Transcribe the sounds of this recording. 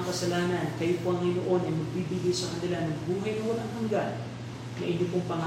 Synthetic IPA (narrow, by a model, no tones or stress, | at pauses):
ŋkɐsɐlaːnɐnkɐjopoɐŋːɪnoʔo̞nɐjmɐɡ̚bibiɡajsɐkɐnɪlanɐŋbuːɦɐjnɐhonɐŋɦɐŋɡan | nɐʔɪɲːopoŋpɐŋa